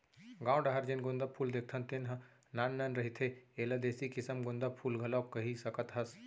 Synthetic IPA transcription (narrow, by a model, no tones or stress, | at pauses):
ɡãːw̃ɖɐɦɐɾd͡ʒenɡʊnd̪ɐpʰuːld̪eːk̚ʰt̪ʰɐnt̪enɦɐ | naːnːaːnɾɐɦit̪ʰeeːlɐd̪eːsikɪsəmɡʊ̃nd̪ɐpʰuːlɡʱɐloːkːɐɦisɐkət̪ɦɐs